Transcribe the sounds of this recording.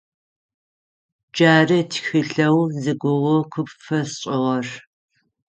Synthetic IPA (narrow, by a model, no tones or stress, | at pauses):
d͡ʒaːrɨtʰxɪɬɐwzɨɡʷʊʁʊqʷʰʊpfɐsɕʼɪʁɐr